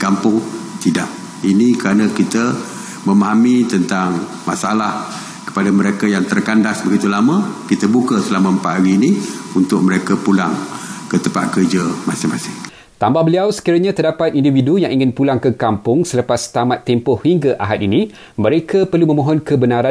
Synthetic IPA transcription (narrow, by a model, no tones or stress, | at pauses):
kampʊŋt̪idaʔ | inikəɾanə̃kit̪ə | mə̃maɦamit̪ənt̪aŋ | masaalah | kə̥padaməɾekajaŋt̪ərkandasbəɡit̪ulamə̃kit̪əbukəsəlamə̃mpaʔ̪haɾiːniunt̪ʊk̚məɾekəpulaŋkət̪əmpa̰t̪̚kərd͡ʒəmasɪŋmasɪŋ | t̪ambahbəliawsə̥kiɾəɲat̪ərdapat̪̚individujaŋʔiŋɪnpulaŋkəkampʊŋsələpast̪amat̪ːɛmpʊhhiŋɡaʔa̰ɦat̪̚inĩ | məɾekʰapərlumə̃mõɦɔnkəbənaɾa